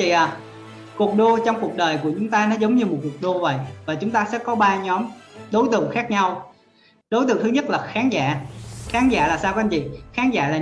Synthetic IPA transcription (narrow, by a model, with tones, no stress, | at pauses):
t͡ɕḭ˧˨ʔa˨˩ | ku˨˩ək̚ɗo˧t͡ɕɔ˧wŋ͡mku˨˩ək̚ɗəː˨˩jku˧˩ət͡ɕʊ˨˦ŋ͡mt̪aː˧nɔ˨˦zə˨˦wŋ͡mɲɨ˧mo˨˩t̚ku˨˩ək̚ɗo˧və̰˧˨jvaː˨˩t͡ɕʊ˨˦ŋ͡mt̪aː˧sɛ̰˧˥kɔ˨˦ɓaː˧ɲɔ˨˦mɗo˨˦jt̪ɨ̰˧˨əŋxaː˦˥k̚ɲa˧w | ɗo˨˦jt̪ɨ̰˧˨əŋt̪ʰɨ˨˦ɲə˦˥t̚laː˨˩xaː˨˦nza̰ː˧˨xaː˨˦nza̰ː˧˨laː˨˩saː˧wka˧nt͡ɕḭ˧˨xaː˨˦nza̰ː˧˥laː˨˩